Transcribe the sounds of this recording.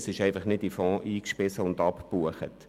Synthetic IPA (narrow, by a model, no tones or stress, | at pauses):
sɪʃɛɪfɑχnɪtifɔ̃ːʔiːkʃpɪsəʊndɑppuəχə̰t